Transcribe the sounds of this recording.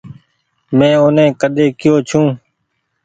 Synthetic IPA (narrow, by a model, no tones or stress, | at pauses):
mɛ̃ːʊnẽːkəɗ̪eːkɪjoːt͡ʃʰũː